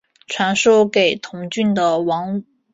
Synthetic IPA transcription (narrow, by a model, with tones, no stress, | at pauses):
ʈ͡ʂʰwa˧˥nʂo˥ʊke˨˩ɪt̪ʰʊ˧˥ŋt͡ɕy˥˩nd̪ə˨˩wɑ˧˥ŋ